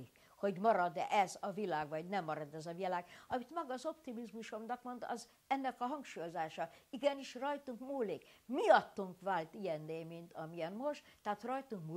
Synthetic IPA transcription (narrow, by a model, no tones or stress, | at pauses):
ik | ho̞ɟmɒɾɒd̪ɛzɒvilaːɡʋɒɟnɛmːɒɾɒd̪ɛzɒvilaːɡɒmit̪mɒɡɒːzo̞pt̪imizmuʃo̞mnɒkmo̞nd̪ɒ̰z | ɛnːɛkɒɦɒŋkʃuːjo̞zaːʃɒiɡɛniʃrɒjt̪uŋkmuːlikmiɒt̪ːuŋkʋaːlt̪ijɛnːeːmint̪ɒmijɛnmo̞ʃt̪ːɛːt̪rɒjt̪uŋkmuː